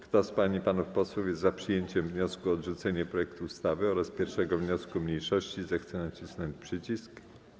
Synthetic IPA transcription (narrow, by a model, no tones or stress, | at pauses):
kt̪ɔspaɲipanufpɔswufjɛst̪zapʂɘjeɲt͡ɕɛmvɲɔskuɔdʐut̪sɛɲɛpɾɔjɛkt̪uːst̪avɘɔɾaspʲjɛɾfʂɛɡɔvɲɔskumɲejʂɔɕt͡ɕizɛxt̪sɛnat͡ɕisnɔɲt͡ɕpʂɘt͡ɕisk